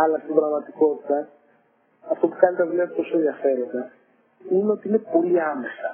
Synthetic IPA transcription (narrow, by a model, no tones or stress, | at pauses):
ɐlɐst̪ibɾɐɣmɐt̪i̥ko̞t̪i̥t̪ɐ | ɐft̪o̞pu̥kɐnit̪ɐvuliɐt̪o̞soenðjʝɐfe̞ɾo̞nd̪ɐ | ineo̞t̪iine̞po̞liɐme̞sɐ